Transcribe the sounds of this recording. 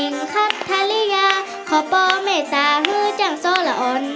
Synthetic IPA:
i˨˦ŋkʰa˧˥˨tt̪ʰːaː˧li˧˥˨jaː˧ | kʰɔ˨˦pɔː˧meː˧˩saː˨˦ɦɯː˧˥˩t͡ɕa˧˩ŋsɔː˧˥˨la˧ʔɔː˨˦n

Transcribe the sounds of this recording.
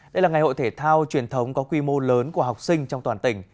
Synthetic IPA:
ɗə˧jlaː˨˩ŋa˨˩jho̰˧˨jt̪ʰe˧˩t̪ʰaː˧wt͡ɕwi˨˩ənt̪ʰə˨˦wŋ͡mkɔ˨˦kwi˧mo˧ləː˨˦nku˧˩əɦa˨˩wk͡p̚sï˧ŋ̟t͡ɕɔ˧ŋ͡mt̪waː˨˩nt̪ï˧˩ŋ̟

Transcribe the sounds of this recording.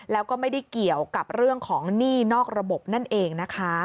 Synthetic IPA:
lɛː˦˥wkɔː˥˩ma˥˩jda˥˩jki˨˩əwka˨˩p̚ɾɯ˥˩əŋkʰɔː˩˦ŋniː˥˩nɔː˥˩k̚ɾa˧bo˨˩p̚na˥˩nʔeː˧ŋna˦˥kʰa˦˥

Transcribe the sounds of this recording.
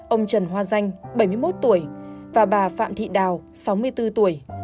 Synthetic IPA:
ʔə˧wŋ͡mt͡ɕə˨˩nɦwaː˧za˧jŋ̟ɓə˧˩jmɨ˧əjmo˦˥t̚t̪u˧˩əjvaː˨˩ɓaː˨˩fa̰ː˧˨mt̪ʰḭ˧˨ɗaː˨˩wsa˨˦wmɨ˧əjt̪ɨ˧t̪u˧˩əj

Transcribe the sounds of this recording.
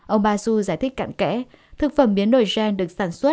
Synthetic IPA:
ʔə˧wŋ͡mɓaː˧su˧zaː˧˩jt̪ʰï˦˥k̟̚ka̰˧˨ŋkɛ̰˧˥˦ | t̪ʰɨ˨˩k̚fə˧˩mɓi˨˦ənːo˧˩jzɛ˧nɗɨ˨˩ək̚saː˧˩nswə˦˥

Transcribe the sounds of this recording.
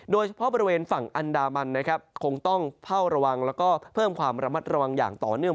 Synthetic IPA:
doː˧jt͡ɕʰa˧˥pʰɔ˦˥bɔː˧ɾi˧weː˧nfa˨˩ŋʔa˧ndaː˧ma˧nːa˦˥kʰɾa˦˥p̚kʰo˧ŋt̪ɔ˥˩ŋpʰa˥˩wɾa˧wa˧ŋlɛː˦˥wkɔː˥˩pʰɤː˥˩mkʰwaː˧mɾa˧ma˦˥t̪̚ɾa˧wa˧ŋja̰ː˨˩ŋt̪ɔ̰ː˨˩nɯ˥˩ə

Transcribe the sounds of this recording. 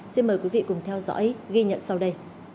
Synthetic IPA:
si˧nməː˨˩kwi˨˦vḭ˧˨kʊ˨˩ŋ͡mt̪ʰɛ˧wzɔ̰ː˧˥jɣi˧ɲə̰˧˨nsa˧wɗə˧j

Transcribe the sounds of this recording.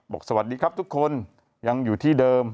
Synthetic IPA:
bɔː˨˩k̚sa˧wa˨t̪̚diː˧kʰɾa˦˥p̚t̪ʰu˦˥kʰːo˧n | ja˧ŋjuː˨˩t̪ʰiː˥˩dɤː˧m

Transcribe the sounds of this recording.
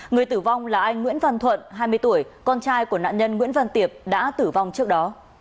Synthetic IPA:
ŋɨ˨˩əjt̪ɨ˧˩va˧wŋ͡mlaː˨˩ʔa˧jŋŋwḭ˧˥ənvə˧nt̪ʰwə̰˧˨nɦaː˧jmɨ˧əjt̪u˧˩əjkɔ˧nt͡ɕaː˧jku˧˩əna̰ː˧˨ɲə˧nŋwḭ˧˥ənvə˧nt̪i˨˩əp̚ɗa̰ː˧˥t̪ɨ˧˩va˧wŋ͡mt͡ɕɨ˦˥ək̚ɗɔ˨˦

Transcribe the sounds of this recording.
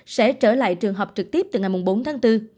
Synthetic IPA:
sɛ̰˧˥t͡ɕəː˧˩la̰ː˧˨jt͡ɕɨ˨˩əŋɦə˨˩wk͡p̚t͡ɕɨ˨˩k̚t̪i˦˥p̚t̪ŋa˨˩jmu˨˩ŋ͡mɓo˨˦nt̪ʰaː˨˦ŋt̪ɨ˧

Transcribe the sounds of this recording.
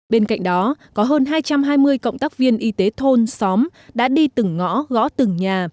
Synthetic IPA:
ɓe˧nka̰˧˨jŋ̟̚ɗɔ˨˦kɔ˨˦ɦəː˧nɦaː˧jt͡ɕa˧mɦaː˧jmɨ˧əjkə̰˧˨wŋ͡mt̪aː˦˥k̚vi˧ənʔi˨˦t̪e˨˦t̪ʰo˧nsɔ˨˦mɗa̰ː˧˥ɗi˧t̪ɨ˨˩ŋːɔ̰˧˥ɣɔ̰˧˥t̪ɨ˨˩ŋɲaː˨˩

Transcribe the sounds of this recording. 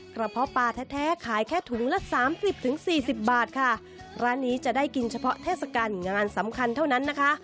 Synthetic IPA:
kɾa˧pʰɔ˦˥paː˧t̪ʰɛː˦˥t̪ʰɛː˦˥kʰaː˩˦jkʰɛː˥˩t̪ʰu˩˦ŋlɛ˦˥saː˩˦msi˨˩p̚t̪ʰɯ˨˩˦ŋsiː˨˩si˨˩p̚baː˨˩t̪̚kʰa˥˩ | ɾaː˦˥nːiː˦˥t͡ɕa˨˩daː˥˩jki˧nt͡ɕʰa˧pʰɔ˦˥t̪ʰeː˥˩t̪̚sa˧kaː˧nŋaː˧nsa˩˦mkʰa˧nt̪ʰa˥˩na˦˥nːa˦˥kʰa˦˥ʔ

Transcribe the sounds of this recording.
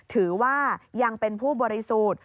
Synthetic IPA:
t̪ʰɯː˩˦waː˥˩ja˧ŋpe˧npʰuː˥˩bɔː˧ɾi˦˥suː˨˩t̪̚

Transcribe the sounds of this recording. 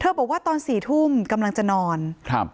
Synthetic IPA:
t̪ʰɤː˧bɔː˨˩k̚waː˥˩t̪ɔː˧nsiː˨˩t̪ʰu˥˩mka˧mla˧ŋt͡ɕa˨˩nɔː˧nkʰa˧˥p̚

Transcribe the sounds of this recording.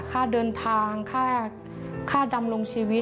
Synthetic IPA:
kʰaː˥˩dɤː˧nt̪ʰaː˧ŋkʰaː˥˩ | kʰaː˥˩da˧mlo˧ŋt͡ɕʰiː˧wi˦˥

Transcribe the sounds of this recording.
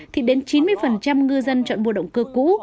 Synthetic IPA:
t̪ʰi˨˩ɗe˨˦nt͡ɕi˨˦nmɨ˧əjfə˨˩nt͡ɕa˧mŋɨ˧zə˧nt͡ɕɔ̰˧˨nɓo̰˧˨ɗə̰˧˨ŋ͡mkɨ˧kṵ˧˥

